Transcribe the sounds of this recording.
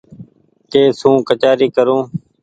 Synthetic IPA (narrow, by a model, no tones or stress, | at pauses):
k̪eːsũːkət͡ʃaːɾiːkəɾũː